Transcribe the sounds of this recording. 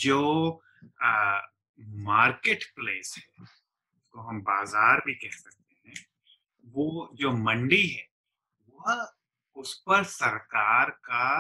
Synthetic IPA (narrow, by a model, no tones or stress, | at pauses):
d͡ʒoː | maːɾkeːʈpleːshɛː | ɪskoɦɐmbaːzaːɾbʱikɛɦsɐk̚t̪eɦɛ̃ | ʋoːd͡ʒoːmɐ̃ɳɖiɦɛː | ʋɐɦ | ʊspɐɾsɐɾkaːɾka